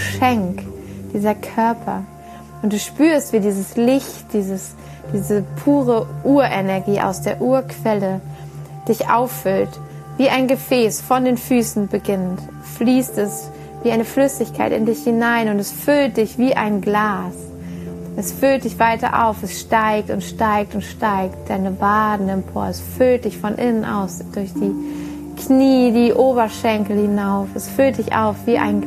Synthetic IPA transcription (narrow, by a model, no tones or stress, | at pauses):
ʃɛŋkd̥iːzɐkʰœɐpʰɐ̰ | ʔʊnt̚d̥uːʃpyːɐstv̥iːdiːzəslɪçtd̥iːzəs | d̥iːzəpʰuːʁəʔuːɐʔɛnɛɐɡiːʔa̰ʊsd̥eːɐʔuːɐkʰv̥ɛləd̥ɪçʔa̰ʊfːʏlt | viːʔaɪnɡəfɛːsfɔndeːnfyːsn̩bəɡɪnt | fliːstɛs | viːaɪnəflʏsɪçkʰaɪtɪ̰ndɪçhɪnaɪnʊntɛsfʏlt̚d̥ɪçv̥iːʔa̰ɪnɡlaːs | ʔɛsfʏlt̚d̥ɪçv̥aɪtɐ̰ʔa̰ʊfɛsʃtaɪk̚tʊntʃtaɪk̚tʊntʃtaɪkt̚d̥aɪnəbaːdn̩ɛmpʰoːɐɛsfʏlt̚d̥ɪçfɔnʔɪnənʔa̰ʊsd̥ʊɐçd̥iː | kʰniːdiːʔoːbɐʃɛŋkl̩hɪnaʊfɛsfʏlt̚d̥ɪça̰ʊfv̥iːʔa̰ɪn